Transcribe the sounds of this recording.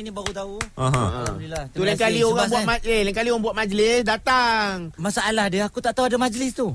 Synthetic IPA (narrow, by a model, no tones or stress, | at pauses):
nibaɾut̪auaɦa̰nilat̪ulakalioɣabuatmaelaŋkalioɣaŋbuat̪̚mad͡ʒlɪsdat̪aŋmasaʔaladəakut̪aʔt̪auadamad͡ʒlɪst̪u